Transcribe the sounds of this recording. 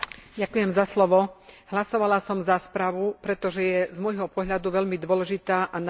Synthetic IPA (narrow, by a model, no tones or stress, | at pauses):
ɟakujɛmzaslɔʋɔɦlasɔʋalasɔmzaspɾaʋupɾɛt̪ɔʒɛjɛzmɔjɦɔpɔɦʎad̪uʋɛʎmid̪ʊɔlɛʒit̪aːʔan